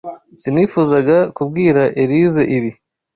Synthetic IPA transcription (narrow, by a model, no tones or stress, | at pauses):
ziniːfuzaɡakub̚ɡiːɾaʔeɾize̞ʔiβi